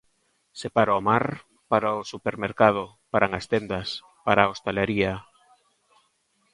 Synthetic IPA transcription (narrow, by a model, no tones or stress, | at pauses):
sepaɾaomaɾ | paɾaosupeɾmeɾkað̞ʊ | paɾaŋast̪end̪as | paɾaost̪eleɾia